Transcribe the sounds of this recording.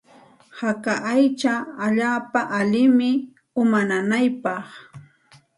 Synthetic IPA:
hakaʔajt͡ʃaːʎaːpaʔalɪmɪ | ʊmananajpɑχ

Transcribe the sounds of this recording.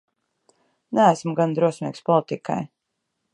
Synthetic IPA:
nææsmɡand̪ɾuɔsmʲḭːkspɔlˠit̪ika̰j

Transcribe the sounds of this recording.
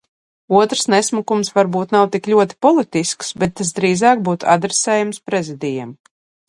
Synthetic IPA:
uɔt̪ɾ̥snɛsmukumsvaɾbuːt̪nawt̪iklʲuɔt̪i̥pɔlˠit̪isksbɛt̪ːas̬d̪ɾiːzɑːk̚buːt̪ua̰d̪ɾesɛːjamspɾɛzid̪ʲijɛm

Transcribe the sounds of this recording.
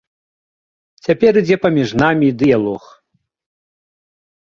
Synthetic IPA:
t͡sʲapʲɛɾɨd͡zʲɛpɐmʲiʐnamʲid̪ɨjalˠɔx

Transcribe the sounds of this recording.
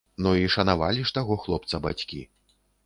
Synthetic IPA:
nuiʂɐnava̰lʲiʂt̪aɣɔxlˠɔpt̪sɐba̰t͡sʲkʲḭ

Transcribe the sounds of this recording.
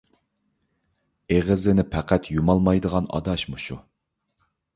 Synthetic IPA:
eʁəzɪnɪpʰɛqʰæt̪ʰjumɑlˠmɑjd̪əʁɑnɑ̰d̪ɑʃmuʃu

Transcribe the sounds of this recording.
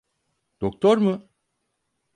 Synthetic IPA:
d̪̥ok̚t̪ʰoɾmɯ

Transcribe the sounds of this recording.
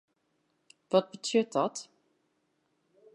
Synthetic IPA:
vɔt̚bətʰøtɔt

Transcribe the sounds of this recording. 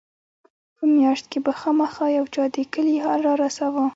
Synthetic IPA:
pəmjɑʃt̪̚kebaxɑmaxɑjawt͡ʃɑd̪ekəliɦalɾɑɾasawə

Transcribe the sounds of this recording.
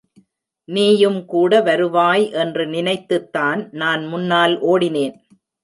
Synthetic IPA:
niːjɯmkuːɽɐʋɐɾɯʋaːjʔɛndrɯnɪnɐɪt̪ːɯt̪ːaːnnaːnmʊnːaːlʔoːɽɪneːn

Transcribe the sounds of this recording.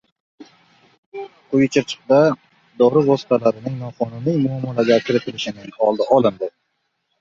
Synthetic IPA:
qʰʊjt͡ʃʰɪɾt͡ʃʰɨ̥q̚d̪a | d̪ɒɾɪvɒsɪ̥t̪ʰalaɾɪnɪŋnɒqʰɒnʊnijmʊamːalaɡʲakʲʰɪɾɪt̪ʰɪlɪʃɪnɪŋhɒlˠd̪ɪʔɒlˠɪnd̪ɪ

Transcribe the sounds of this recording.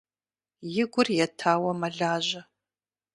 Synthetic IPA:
jɪɡʷʊrjɛtʰaːwɐmɐɮaːʑɐ

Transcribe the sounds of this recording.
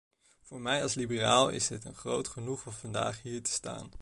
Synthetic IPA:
v̥ʊːɹmɛjɑlˠslibəraːlˠɪ̰sɦɪtənχrowtχənuχɔmvɑnda̰ːχɦiːɹtə̥sta̰ːn

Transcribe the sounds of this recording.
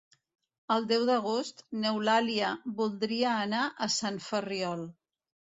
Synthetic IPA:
əlˠd̪ɛwd̪əɣost̪newlaliəβulˠd̪ɾiəːnaʔəsanfəriɔlˠ

